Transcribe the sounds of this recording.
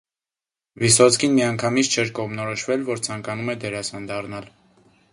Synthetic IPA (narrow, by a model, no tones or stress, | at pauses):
visɔt͡sʰkʰinmiɑŋkʰɑmit͡sʰt͡ʃʰɛɾkɔʁmnɔɾɔʃvɛlvɔɾt͡sʰɑŋkɑnumɛd̪ɛɾɑsɑnd̪ɑrnɑl